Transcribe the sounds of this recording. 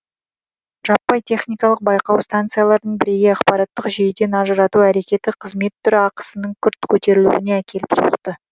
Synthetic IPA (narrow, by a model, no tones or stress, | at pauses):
ʒ̥ɑpːɑjt̪ʰe̞χnijkɑlˠəq̚bɑjqɑwst̪ant̪sɨjalˠɑɾəd̪əɴbɪɾe̞ɡʲeɑqpɑɾɑt̪ːəqʒejd̪e̞nɑʒəɾɑt̪uæɾe̞kʲe̞t̪ɪqʰəzme̞t̪ːʏɾɪɑqə̥sənəɴkʲʰʏɾt̪kʲʰɵt̪e̞ɾɪlṵɪne̞ækʲe̞lɪpso̰əqt̪ə